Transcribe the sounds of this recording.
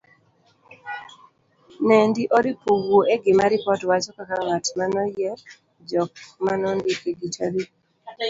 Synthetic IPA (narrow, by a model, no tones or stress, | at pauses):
nendiʔɔdipuɡoʔeɡɪmaɾɪpɔtwat͡ʃɔkakaŋatmanɔjɛ | d͡ʒɔk̚manɔndikeɡitabi